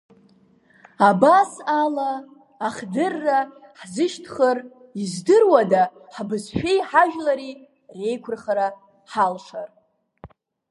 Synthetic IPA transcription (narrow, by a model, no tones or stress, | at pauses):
abasalaː | χdɨrːa | ħzɨʃtʰχər | izdɨrwada | ħbɨzʃᶣe̞jħaʒᶣlaɾi | re̞jkʷʰʊrχaɾa | ħalʂar